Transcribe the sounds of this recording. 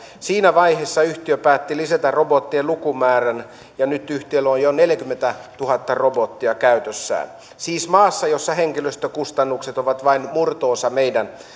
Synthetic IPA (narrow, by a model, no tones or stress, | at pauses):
siːnæʋɑihesːɑyht̪iøpæːt̪ːilisæt̪ærrobot̪ːielukumæːræn | jɑnyt̪yht̪ielːojoneljækymːent̪æt̪uhɑt̪ːɑrobot̪ːiɑkæyt̪øsːæ̰ːn | siːsmɑːsːɑjosːɑheŋkiløst̪økust̪ɑnːukset̪oʋɑt̪ʋɑinmurt̪oːsɑmeidæn